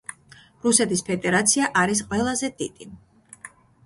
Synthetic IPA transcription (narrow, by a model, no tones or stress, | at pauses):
ɾusɛt̪ʰispʰɛd̪ɛɾat̪sʰiaʔaɾis̬qʼwɛlˠazɛd̪id̪̥i